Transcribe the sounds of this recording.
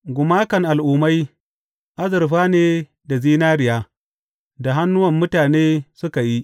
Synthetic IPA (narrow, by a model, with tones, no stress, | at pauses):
ɡʷʊ˨maː˦kɐ˨ŋʔa˨lʔʊː˨ma˦j | ʔa˦zɪ˨ɾɸaː˦neː˦ | da˨ziː˦naː˦ɾɪ˨jaː˦ | da˨ɦa˦nːʊ˦wɐ˨mːʊ˦taː˨neː˦sʊ˦ka˨ji˦ʔ